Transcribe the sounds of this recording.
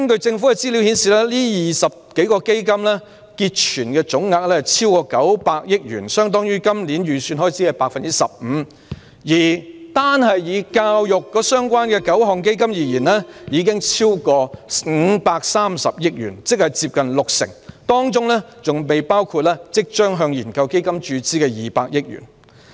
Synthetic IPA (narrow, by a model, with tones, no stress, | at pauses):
ɐ˥nkɵ˧ɥt͡sɪ˧ŋfu˨˥kɛ˧t͡siː˥li˨˥whiː˨˥nsiː˨lɛː˥liː˥jiː˨˩sɐ˨p̚ke˨˥jkɔː˧ke˥jkɐ˥mlɛː˥ | kiː˧t̚t͡ʃʰyː˨˩nkɛː˧t͡sʊ˨˥ŋːaː˧k̚lɛː˥˨˩t͡sʰiː˥wkɔː˧kɐ˨˥wpaː˧k̚jɪ˥k̚jy̰ː˨˩nsœː˥ŋt̪ɔː˥ŋjyː˥kɐ˥mliː˨˥njyː˨syː˧nhɔː˥jt͡siː˨˥ɛ˨˧paː˧k̚fɐ˨nt͡sɪ˥sɐ̰˨p̚m̩ː˨˧˦ | jiː˨˩t̪aː˥nɦɐ˨jjiː˨˧kaː˧wjʊ˨kːɔː˨˧˥sœː˥ŋkwaː˥nkɛː˧kɐ˨˥wɦɔː˨˩ŋke˥jkɐ˥mjiː˨˧jiː˨˩nlɛː˥jiː˨˧k̬ɪ˥ŋt͡sʰiː˥wkɔː˧ŋ̩˨˧paː˧k̚saː˥msɐ˨p̚jɪ˥k̚jy̰ː˨˩nt͡sɪ˥k̚hɐ˨jt͡siː˧p̚kɐ˨nlʊ˨k̚sɪ̰˨˩ŋt̪ɔː˥ŋt͡ʃʊ˥ŋlɛ˥t͡sʊ˨ŋpe˨jpaː˥wkʰuː˧t̚lɛː˥t͡sɪ˥k̚t͡ʃœː˥ŋɦœː˧ŋjiː˨˩nkɐ˧wke˥jkɐ˥mt͡ʃyː˨˥t͡siː˥kɛː˧jiː˨˩paː˧k̚jɪ˥k̚jy̰˨˩n